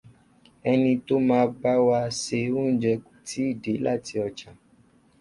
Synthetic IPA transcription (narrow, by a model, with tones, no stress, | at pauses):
ɛ˧nĩ˧to˦mãː˧ba˦wa˧se˧o˦n̩˦d͡ʒɛ˧ku̥˨tʰi˨˦i˦˨de˨˦la̰˦˨ti˧ɔ˧t͡ʃã˨